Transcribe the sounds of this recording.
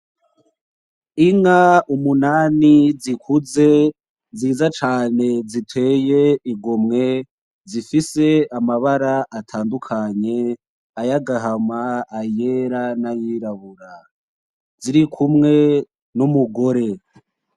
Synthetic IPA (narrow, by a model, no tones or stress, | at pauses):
iŋaumunaːnizikʰuze̞ | ziːzat͡ʃaːne̞zitʰwe̞ːje̞iɡomŋe̞ | zifise̞amaβaɾaʔatʰaːndukʰaɲe̞ | ajaɡaɦamaːjeɾanajiɾaβuɾa | ziɾikʰumŋe̞ | numuɡo̞ɾe̞